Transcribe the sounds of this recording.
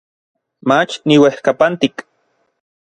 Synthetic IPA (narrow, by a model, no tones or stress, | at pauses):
mat͡ʃniwehkapant̪ik